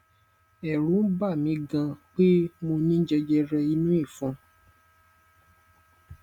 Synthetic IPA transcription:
ɛ˨ɾũ˨˦n̩˦ba˦˨mĩ˨˦ɡã˧k͡pe˦mo˧nĩ˦d͡ʒɛ˧d͡ʒɛ˧ɾɛ˧i˧nũ˦i˦˨fũ˨˦

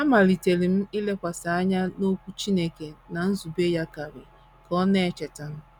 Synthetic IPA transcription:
a˦ma˨li˨te˨li˨m̩˦i˦le˦kʷa˨sa˨a˦ɲa˦no˦kʷu˦t͡ʃi˦ne˦ke˨na˨n̩˦zu˨be˦ja˦ka˨ɾɪ˨ | kɔ˦ne˦e˦t͡ʃe˨ta˨n̩˦

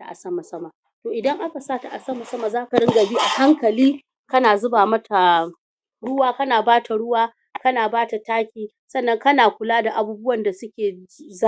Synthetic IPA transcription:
ta˨ʔa̰˨sɐ˦ma˨sɐ˦ma˨ | toː˨ʔɪ˨dɐ˦ŋʔa˦ka˨saː˦ta˨ʔa˨sɐ˦ma˨sɐ˦ma˨zaː˦ka˨ɽɪ˦ŋɡɐ˨biː˦ʔa˨ha˦ŋkɐ˨liː˦ | kɐ˦naː˨zʊ˦baː˨mɐ˦tʰa˨ | ɽʊ˦waː˦kɐ˦naː˨baː˦tʰa˨ɽʊ˦waː˦ | kɐ˦naː˨baː˦ta˨taː˦kʲiː˨ | sɐ˦nːɐ˦ŋkɐ˦naː˨kʷʊ˨laː˦da˨ʔa˨buː˦bʊ˦wɐ˨nda˨sʊ˦kʲeː˨za˦

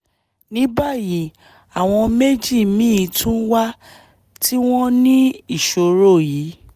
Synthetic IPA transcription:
nĩ˨˦ba˦˨ji˨˦ | a˨w̃ɔ̃˧me˦d͡ʒi˦˨mĩ˦i˧tʰũ˦wa˦ | tʰi˦w̃ɔ̃˦nĩ˦i˦˨ʃo˧ɾo˦˨jiː˨˦

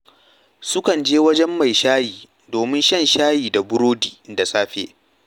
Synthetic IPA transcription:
sʊ˦kɐ˨nd͡ʒeː˦wɐ˦d͡ʒɛ˦mːa˨jʃaː˦jiː˨ | doː˨mɪ˦nʃɐ˦˨nʃaː˦jiː˨da˨bʊ˦ɾoː˦diː˨da˨sʼaː˦ɸḛː˦

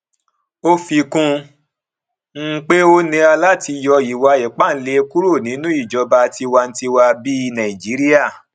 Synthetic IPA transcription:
o˦fi˧kũ˧ | ŋ̩˦k͡pe˦o˦nĩ˧a˧la˦ti˧jɔ˧ji˨wa˧ɛ˨k͡pa˦˨n̩˦le˧ku˦ɾo˦˨nĩ˨˦nũ˦i˦˨d͡ʒɔ˧ba˧ti˧wa˧n̩˦ti˧wa˧bi˦˧nã˨i˨d͡ʒi˨˦ɾi˦a˦˨

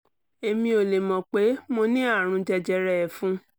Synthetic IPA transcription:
e˧mĩ˧˦o˨le˨mɔ̃˨k͡pe˨˦mo˧nĩ˦a˦˨ɾ̃ũ˧d͡ʒɛ˧d͡ʒɛ˧ɾɛ˧ɛ˨fũ˨˦

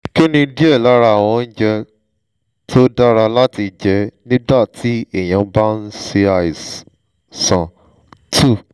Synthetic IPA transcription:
ki˦nĩ˧di˦ɛ˦˨la˦ɾa˧˦a˨w̃ɔ̃˧n̩˦d͡ʒɛ˧ | tʰo˦da˦ɾa˧la˦ti˧d͡ʒɛ˧˦nĩ˦da˦˨tʰi˦e˦˨j̃ã˧˦ba˦n̩˦se˧a˨i˨ | sã˨ | tʰu˦˨

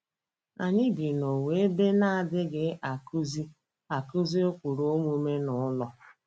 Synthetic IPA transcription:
a˨ɲɪ˦ɡɪ˨no˨we˨e˦be˦na˦a˨dɪ˦ɡɪ˦a˨ku˦zi˦ | a˨ku˦zi˦o˦kʷu˨ɾo˦mu˦me˦nʊ˨ʊ˦lɔ˦

